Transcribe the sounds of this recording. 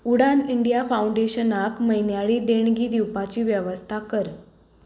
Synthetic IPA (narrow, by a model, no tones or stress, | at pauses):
uɽaniɳɖijafauɳɖeɕənakməɦjnjaɭiːd̪eɳ̃ɡiːd̪iwpat͡ɕiːʋjəʋəst̪ʰakəɾ